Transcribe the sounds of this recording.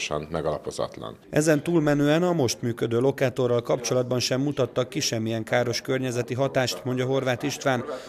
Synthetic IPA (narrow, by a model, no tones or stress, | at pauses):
ʃɒ̰nmɛɡɒlɒpo̞zɒ̰t̪lɒ̰nʔɛ̰zɛnt̪uːlmɛnøːɛnɒmo̞ʃt̪myːkø̞d̪øːlo̞kaːt̪o̞rːɒlkɒp̚t͡ʃo̞lɒd̪̚bɒnʃɛmːut̪ɒt̪ːɒkːiʃɛmːijɛŋkaːɾo̞ʃkørɲɛzɛt̪iɦɒt̪aːʃt̪mo̞ɲɟɒɦo̞rʋaːt̪iʃt̪ʋaːn